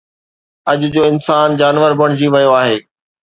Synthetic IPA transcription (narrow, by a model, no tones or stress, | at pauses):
ɐʄʊd͡ʑoːɪnsaːnd͡ʑaːnʋəɾbɐɽ̃d͡ʑiʋɐjoaːɦeː